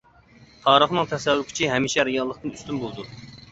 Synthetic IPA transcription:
t̪ʰɑːɾəχnɨŋt̪ʰɛsɛwːʊkʲʰi̥t͡ʃʰiɦɛmiʃɛɾijɑlˠːəχt̪ɨnyst̪ynbolˠd̪u

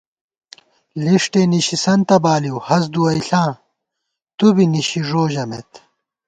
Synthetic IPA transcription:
liʂʈeniɕisɐnt̪ɐbaːliwhɐsd̪uɐiɬãː | t̪ubiniɕiʐoːʑɐmḛt̪

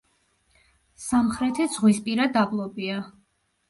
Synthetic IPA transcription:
samχɾɛt̪ʰɛd̪z̥ʁwispʼiɾad̪ablˠɔbia

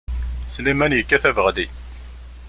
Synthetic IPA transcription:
slimænjəkːæθævəʁd̪i

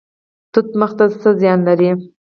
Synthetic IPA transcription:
t̪ut̪̚məxt̪asəzjɑnlaɾi

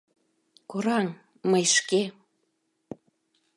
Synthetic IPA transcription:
koɾɑn | məjʃke

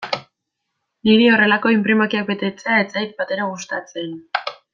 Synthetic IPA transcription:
niɾio̞re̞lako̞impɾimakiak̚be̞t̪e̞t͡se̞ae̞t͡sajt̪̚bat̪e̞ɾaɣust̪at͡se̞n

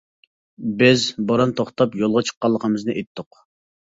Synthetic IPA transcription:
bɪzboɾɑnt̪ʰoχt̪ɑpjolˠʁɑt͡ʃʰə̥qːɑlˠːəqʰəmɨznɨʔet̪ʰːʊq

